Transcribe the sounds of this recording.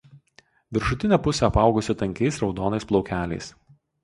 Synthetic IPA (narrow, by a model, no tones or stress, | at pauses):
ʋʲɪɾʃʊt̪ʲɪnʲɛpʊsʲɛɐpɑˑʊɡʊsʲɪt̪ɐŋʲkʲɛɪsɾɒʊd̪oːnɐɪsplˠɒʊkʲæːlʲɛ̰ɪs